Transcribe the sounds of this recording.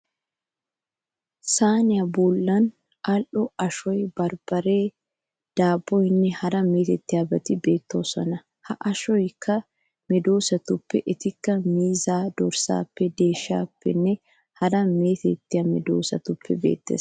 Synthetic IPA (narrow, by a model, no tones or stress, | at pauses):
saːnɪɐbuːlːɐn | ʔɐlʔɔɐʃɔjbɐɾb̥ɐɾe̞ː | d̪̥aːbːɔɪnːɛhɐɾɐmeːt̪ɛt̪ːɪɐbɐt̪ɪbeːt̪ːoːsɐnɐ | hɐʔɐʃɔjkʰɐ | mɛd̪oːsɐt̪ʊpːɛʔɪt̪ɪkːɐmiːzaːd̪ɔɾsa̰ːpːɛd̪e̞ːʃa̰ːpːɛ̰nːɛ | hɐɾɐmeːt̪ɛt̪ːɪɐmɛd̪o̰ːsɐt̪ʊpʰːɛbḛːt̪ːɛ̰s